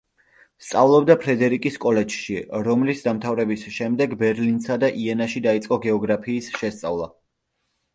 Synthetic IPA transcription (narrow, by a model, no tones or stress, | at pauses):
st̪sʼavlˠɔbd̪apʰɾɛd̪ɛɾikʼiskʼɔlɛd͡ʒʃiɾɔmlisd̪amt̪ʰavɾɛbisʃɛmd̪ɛɡbɛɾlinsad̪aʔiɛnaʃid̪ait̪sʼqʼɔɡɛɔɡɾapʰiːsʃɛst̪sʼavlˠa